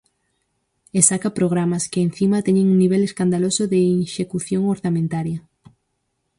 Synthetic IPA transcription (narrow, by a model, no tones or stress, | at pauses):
esakapɾoɣɾamaskeːn̟θimat̪eɲẽŋuŋniβ̞eleskand̪alosoðeinʃekuθjoŋoɾθamẽnt̪aɾjɐ